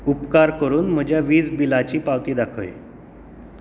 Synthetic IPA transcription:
upkaɾkəɾuːnm̤əd͡ʑjaʋiːd͡zbilat͡ɕiːpaʋt̪iːd̪akʰo̰ḭ

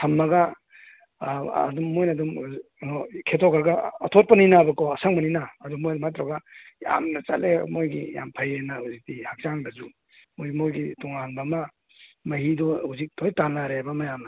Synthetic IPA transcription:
tʰɐmːɐɡa | dumːojnɐdum | kʰetʰɔkʰaɾɡaːtʰot̚pɐninabɐkɔɐsaŋmɐninaːdumːojdmat̪ɾaɡaja̰mnɐt͡ʃa̰lemojɡḭja̰mpʰɐjenahuzik̚tihak̚t͡ʃaŋbɐzu | mojɡimojɡitɔŋanbama | mɐɦidɔhuzik̚tɔjtanːaɾeabɐmajamnɐ

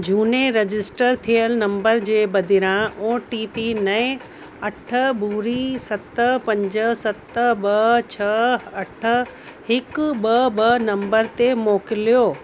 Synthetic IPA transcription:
d͡ʑʱuːneɾed͡ʑɪsʈəɾt̪ʰijəlnɐ̃mbəɾd͡ʑeːbɐd̪ʱɪɾãʔoːʈiːpinɐẽ | ɐʈʰəbuːɾisɐt̪əpɐ̃ɲd͡ʑəsɐt̪əbɐt͡ɕʰɐɐʈʰə̆ | hɪkɓɐbɐnɐ̃mbəɾt̪emoːkɪlijoː

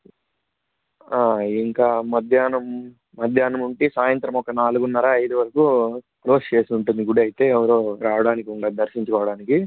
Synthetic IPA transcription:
aːiŋkaːmɐd̪ʱjaːnɐm | mɐd̪ʱjaːnɐmuɳʈisaːjɐnt̪ɾɐmɔkɐnaːluɡunːɐɾaːɐjd̪uʋɐɾɐku | kloːst͡ʃe̞ːsiuɳʈund̪iɡuɽɐjit̪e̞ːɛʋɐɾoːɾaːʋɐɽaːnikiuɳɖaːd̪ɐɾʃiɲt͡ʃukɔːʋɐɽaːniki

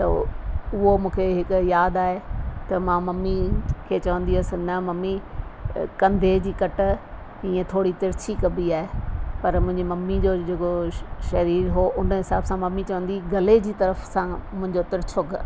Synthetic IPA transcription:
t̪ɐʊɦomũːkʰeɦɪkʊjaːd̪aːɦet̪ɐmãːmɐmːikʰeːt͡ɕɐʋə̃nd̪iʊsɪ̆nɐmɐmːi | kɐ̃nd̪ʱed͡ʑiːkɐʈ̆ | ĩːẽt̪ʰoːɽit̪ɐɾt͡ɕʰikɐbiaːɦepɐɾmʊ̃ɦɪ̃ɲd͡ʑimɐmːid͡ʑoːd͡ʑekoʃɐɾiːɾɦoʔʊnəɦɪsaːbsãmɐmːit͡ɕɐʋə̃nd̪iɡɐled͡ʑiːt̪ɐɾəfsãmʊ̃ɦɪ̃ɲd͡ʑot̪ɪɾt͡ɕʰʊk

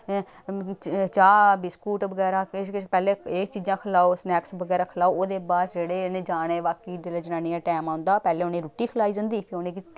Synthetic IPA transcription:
t͡ʃaːbɪskuːʈʋəɡɛːɾaːpɛːleːeːt͡ʃiːd͡ʒãːkʰəlaːosnɛːksʋəɡɛːɾaːkʰəlaːooːd̪eːbaːsd͡ʒeːɽeːneːd͡ʒaːɽ̃eːʋaːkiːd̪eled͡ʒɪnaːniːãːʈɛːmãːnd̪aːpɛːleːʊnẽːɾuːʈːiːkʰəlaːiːd͡ʒãːnd̪iːpʰɪoːnẽːkɪ

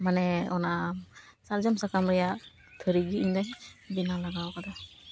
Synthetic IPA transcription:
manɛɔna | sald͡ʒɔmsakamɾɛja | t̪ʰəɾiɡiiɲd̪abinalaɡawkat̪ʰa

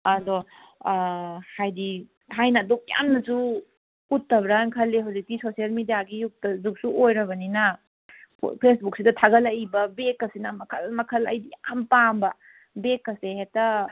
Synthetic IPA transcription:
ɐdɔ | hajdi | ɦajnɐdɔk̚ja̰mnɐsu | utːɐbɾankʰɐlːeɦawzik̚ːisosiɐlmidijaɡijuk̚tɐzuk̚suʔojɾɐβɐninɐ | pʰpʰesbuk̚sidɐtʰaɡɐlɐjbɐbekːɐsinɐmɐkʰɐlmɐkʰɐla̰jdijampambɐ | bekːɐsehetɐ

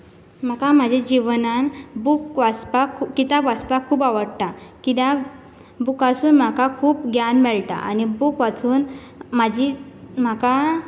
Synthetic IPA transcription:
m̤akam̤ad͡ʑʱed͡ʑiʋnanbukʋaspakʰkit̪abaspakʰuːpaʋəɽt̪akit̪a | bukasuːnm̤akakʰuːpɡʱjanmɛɭt̪a̰ʔa̰nibukʋat͡suːn | mad͡ʑʱim̤aka

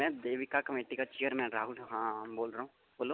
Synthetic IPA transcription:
mɛ̃d̪eːʋɪkakɐmeːʈikat͡ʃeːəɾmɛ̃ɾaːɦʊlɦãːboːlɾɐɦũ | boːlo

